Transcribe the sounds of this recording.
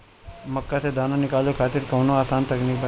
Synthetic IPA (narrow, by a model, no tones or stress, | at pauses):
məkːat̪ʰed̪ʱanonɪkaljokʰat̪iɾkəʋnoasant̪əknik̚bə